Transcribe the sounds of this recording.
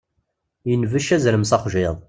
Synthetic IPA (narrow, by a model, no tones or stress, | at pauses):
jənvəʃæzɾəmsɑχʷʒɪðˤ